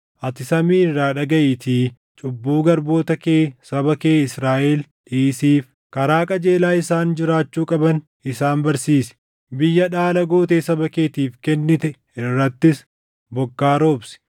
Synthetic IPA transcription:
ʔɐt̪ɪsɐmiːrːaːᶑɐɡɐʔɪt̪iː | t͡ʃʼʊbːuːɡɐɾbo̞ːt̪ɐkeːsɐbɐke̞ːɪsɾaːʔɛlᶑiːsiːf | kɐɾaːkʼɐd͡ʒe̞ːlaːɪsaːnd͡ʒɪɾaːt͡ʃːuːkʼɐbɐn | ɪsaːnbɐɾsiːsɛ̥ | bɪjːɐᶑaːlɐɡo̞ːt̪eːsɐbɐkeːt̪iːfkɛnːɪt̪ɛ | ɪrːɐt̪ːɪs | bɔkːaːɾo̞ːbsɛ̥

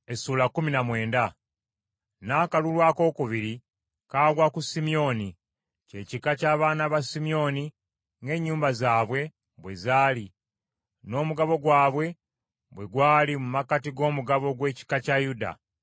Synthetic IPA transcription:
e̞suːlakːuminamwe̞ːnda | naːkalulwaːko̞ːkuβiɾi | kaːlwakusimijo̞ni | ce̞cikacaːβaːnaβasimijo̞ni | ŋɡe̞ɲːuːmbazaːβwe̞ | βwe̞zaːli | no̞ːmuɡaβo̞ɡwaːβwe̞ | bwe̞ɡwaːlimumakatiɡo̞ːmuɡaβo̞ɡwe̞ːci̥kacajuda̰

